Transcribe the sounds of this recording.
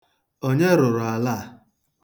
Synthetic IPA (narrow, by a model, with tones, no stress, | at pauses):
o˦ɲe˦ɾʊ˨ɾʊ˨a˨la˦˨